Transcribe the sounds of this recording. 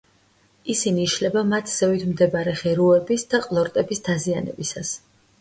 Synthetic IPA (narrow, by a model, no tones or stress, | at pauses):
isiniːʃlɛbamat̪ʰz̥ɛvit̪ʰmd̪ɛbaɾɛχɛɾuɛbisd̪̥aqʼlˠɔɾt̪ʼɛbisd̪azianɛ̰bisas